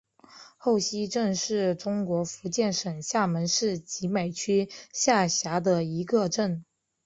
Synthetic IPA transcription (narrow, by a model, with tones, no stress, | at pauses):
xo˥˩ʊɕi˥ʈ͡ʂɤ˥˧ŋʂɻ̩˥˩ʈ͡ʂʊ˥ŋkwɔ˧˥fu˧˥t͡ɕjɛ˥˩nʂə˨˩ŋɕja˥˩mə˧˥nʂɻ̩˥˩t͡ɕi˧˥me˨˩ɪt͡ɕʰy˥ɕja˥˩ɕja˧˥d̪ə˧i˧˥ɡə˧ʈ͡ʂə˥˩n